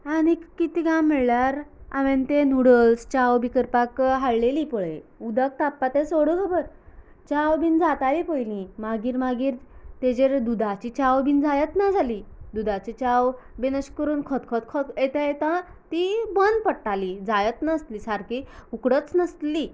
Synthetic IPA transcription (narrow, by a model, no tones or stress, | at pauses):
añikːit̪iːɡãmmɛɭlaɾa̰ʋent̪enuɽəlst͡ɕawbʱikəɾpakɦaɭleliːpɔɭeud̪ʱək̚t̪apːat̪ẽsoɽəkʰəbəɾ | t͡ɕawbʱind͡zat̪alipojlĩmaɡiːɾmaɡiːɾt̪ed͡ʑeɾd̪ud̪ʱat͡ɕit͡ɕawbʱind͡zajət̪nad͡zʱaliːd̪ud̪at͡ɕit͡ɕaw | benəɕkəɾuːnkʰɔt̪kʰɔt̪kʰɔt̪et̪ajet̪ã | t̪ibənd̪̚pəɽʈaliːd͡zajət̪nəst̪liːsaɾkiukɽət͡snəst̪li